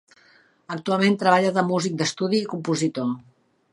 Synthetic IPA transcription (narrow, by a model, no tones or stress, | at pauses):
ək̚t̪ualˠment̪ɾəβaʎəðəmuzik̚d̪əst̪uð̞iːkumpuzit̪o